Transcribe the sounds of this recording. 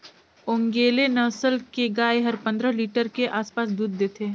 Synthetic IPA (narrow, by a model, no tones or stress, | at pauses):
ʊŋɡeːlenɐʋsəlkeɡaːeɦɐɾpɐ̃nd̪ɾəliːʈəɾkeʔaːspaːsd̪uːd̪ːeːt̪ʰe